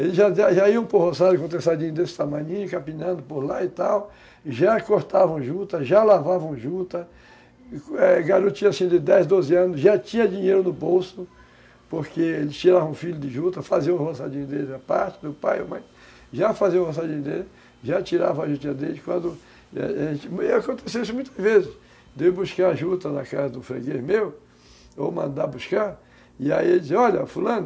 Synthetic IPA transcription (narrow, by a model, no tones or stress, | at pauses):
elɪzʒad̪aʒaiɐ̃w̃pɾohozaɾjʊkõt̪esad͡ʒĩɲʊd̪esɪ̥t̪amɐ̃ɲĩɲʊkapĩnɐ̃nd̪ʊpoɾlaɪt̪aw | ʒakoɾt̪avɐ̃w̃ʒut̪ɐʒalavavɐ̃w̃ʒut̪ɐ | ɛɡaɾut͡ʃĩɲɐsĩd̪ɪd̪ɛjzd̪ozɪɐ̃nʊzʒat͡ʃĩɲɐd͡ʒĩɲeɾʊnʊbowsʊ | poɾkeelɪt͡ʃiɾavɐũfiʎʊd̪ɪʒut̪ɐfaziɐũhosad͡ʒĩɲʊd̪elɪd̪apaɾt͡ʃɪd̪ʊpa̰jo̰majs | ʒafaziɐũhos̬ad͡ʒĩɲʊd̪elɪ | ʒat͡ʃiɾa̰vɐaʒut͡ʃĩɲɐd̪elɪkwɐ̃nd̪ʊ̰ | ẽt͡ʃɪewakõnt̪esewis̬ʊmũj̃t̪ɐzvezɪs | d̪ewbuskaɾaʒut̪ɐd̪ɐkazɐd̪ʊ̃fɾḛɡeɾmew | omɐ̰̃nd̪abuskaɾ | ɪaielɪiseɔʎɐfulɐ̃nʊ